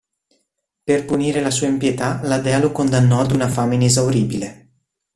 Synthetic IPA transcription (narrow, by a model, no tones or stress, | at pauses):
perpuniːɾelasuːaempjet̪alad̪ɛːalokond̪anːɔad̪unafaːmeinezawɾiːbile